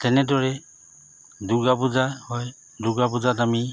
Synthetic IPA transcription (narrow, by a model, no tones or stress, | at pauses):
tɛnɛdɔɹɛ | duɡabuzahɔj | duɡabuzatami